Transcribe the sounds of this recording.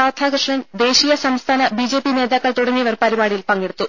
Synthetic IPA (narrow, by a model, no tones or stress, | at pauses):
aːt̪ʰaːɡrɨʂɳɐnd̪e̞ːɕiːjɐsɐmst̪ʰaːnɐbid͡ʑe̞ːpine̞ːðaːkːɐɭt̪uɽɐŋːijɐʋɐrpɐɾibaːɽijilpɐŋɡeɽut̪ːu